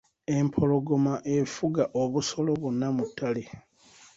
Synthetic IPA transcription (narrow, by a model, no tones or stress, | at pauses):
e̞mpʰo̞lo̞ɡo̞maʔe̞fuɡaʔoβuso̞lo̞βunːamutːale